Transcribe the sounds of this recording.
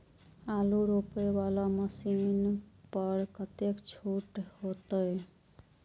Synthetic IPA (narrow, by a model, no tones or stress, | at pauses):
aluɾopebalaməsinpəɾkət̪ekt͡ʃʰoʈhot̪əj